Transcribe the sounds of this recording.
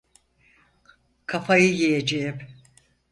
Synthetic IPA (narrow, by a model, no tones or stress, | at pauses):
kʰafajɯjejed͡ʒejip